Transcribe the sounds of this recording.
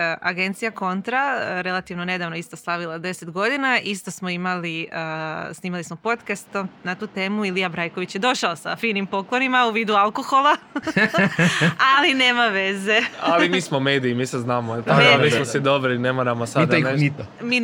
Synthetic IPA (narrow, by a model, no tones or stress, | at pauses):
ʔaɡe̞nt̪sijako̞nt̪ɾaɾe̞lˠat̪iʋnone̞d̪aʋnoist̪oslˠaʋilˠad̪e̞set̪ɡo̞d̪inaʔist̪o̞smo̞imaliəsniːmalismo̞po̞t̪kastt̪omnat̪uːt̪e̞ːmuilijabɾajko̞ʋit͡ɕjed̪o̞ʃaosa̰fiːnimpo̞klˠo̞nimauʋiːd̪ualˠko̞xo̞lˠa | aline̞ːmaʋe̞ze̞alimiːsmomeːd̪iimiːseznaːmoilˠt̪akomiːsmosid̪obɾinemanamasadd̪ni | mi